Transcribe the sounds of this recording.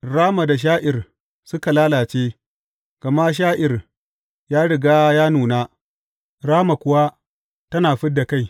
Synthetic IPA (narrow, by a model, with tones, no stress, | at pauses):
ɽaː˦ma˨da˨ʃ̬aː˦ʔɪ˨r | sʊ˦ka˨laː˦laː˨t͡ʃeː˦ | ɡ̥ɐ˨ma˦ʃ̬aː˦ʔɪ˨r | jaː˦ɽɪ˨ɡaː˦jaː˦nuː˨naː˦ | ɾaː˦ma˨kʷʊ˦wa˦ | tɐ˦naː˨ɸɪ˦ddːa˨ka˦j